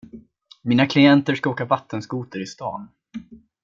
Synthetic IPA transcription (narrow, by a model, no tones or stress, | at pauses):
miːnakʰlɪɛnt̪əʂkaoːkavat̪ːənskuːt̪əɾɪst̪ɑ̰ːn